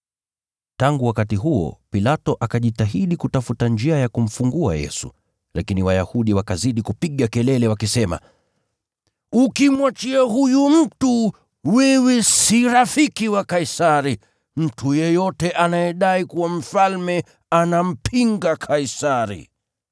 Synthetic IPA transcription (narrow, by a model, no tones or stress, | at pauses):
taŋɡuwakatiɦuɔ̰pilatɔʔakaʄitaɦiɗikutafutand͡ʒiajakum̩fuŋɡua̰jɛ̰sṵ | lakiniwajahuɗiwakaziɗikupiɠakɛlɛlɛwakisɛma̰ | ukimwat͡ʃiaɦujum̩tu | wiwisiɾafikiwakaisaɾi | m̩tʰujɛjɔtɛʔanajɛɗaikuwam̩falmɛ | anam̩pʰiŋɡakʰaisaɾḭ